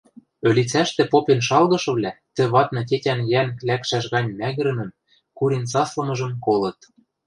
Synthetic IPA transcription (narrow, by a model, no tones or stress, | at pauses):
ø̆lʲit͡sæʃt̪ĕpopenʃɑlɣɤ̆ʃɤ̆βlʲæt̪ɘ̆βɑt̪nɤ̆t̬ʲetʲænjænlækʃæʃɣɑnʲmæɣɘ̆ɾɘ̆mɘ̆m | kuɾensɑslɤ̆mɤ̆ʒɤ̆mkolɤ̆t̪